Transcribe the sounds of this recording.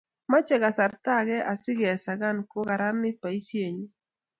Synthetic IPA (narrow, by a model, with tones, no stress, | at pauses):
ma˦t͡ʃɛ˨ɡa˨sa˨ɾt̪a˦˨ɡɛ˦ʔa˨sɪ˦ɡɛ˨sa˨ɡa˦˨nko˦ɡa˨ɾa˦nːɪ˦pa˨i˦ʃje˨ɲi˦